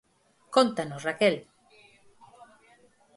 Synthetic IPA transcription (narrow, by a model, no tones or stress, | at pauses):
kont̪anosrakɛl